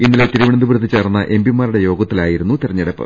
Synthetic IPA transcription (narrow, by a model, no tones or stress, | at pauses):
inːilet̪iɾiʋiɳɐnd̪ubɾɐt̪ːit͡ɕːeːrnːɐʔe̞mbimːaːɾuɽe̞jo̞ːɡɐt̪ːilaːjiɾunːut̪irɐɲːɐɽɐpːɐ̰